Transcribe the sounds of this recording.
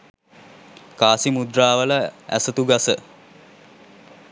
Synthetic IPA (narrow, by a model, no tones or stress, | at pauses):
kaːsimud̪raːʋələæ̰sət̪uɡasə